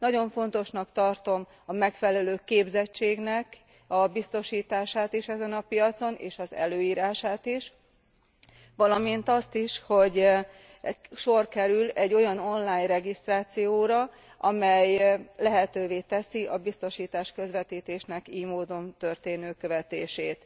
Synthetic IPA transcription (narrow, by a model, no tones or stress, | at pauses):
nɒɟo̞ɱfo̞n̪t̪o̞ʃnɒkt̪ɒrt̪o̞m | ɒmɛkfɛlɛløːkeːbzɛt͡ʃt͡ʃːeːɡnɛk | ɒbist̪o̞ʃiːt̪aːʃaːt̪iʃɛzɛnɒpijɒt̪so̞nʔḛːʃɒzɛ̰løːiːɾaːʃaːt̪iʃ | ʋɒlɒmint̪ɒst̪iʃho̞ɟ | ʃo̞rkɛɾylɛɟːo̞jɒno̞nlaːɲrɛɡist̪raːt̪sijoːɾɒ | ʔɒmɛjlɛɦɛt̪øːveːt̪ɛsiʔɒbist̪o̞ʃiːt̪aːʃkø̞zʋɛt̪iːt̪eːʃnɛkiːjmoːd̪o̞nt̪ø̞rt̪eːnøːkø̞vɛt̪eːʃeːt̪